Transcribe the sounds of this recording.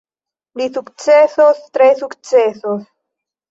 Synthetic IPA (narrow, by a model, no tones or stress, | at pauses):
lisukt͡sesost̪ɾesukt͡sesos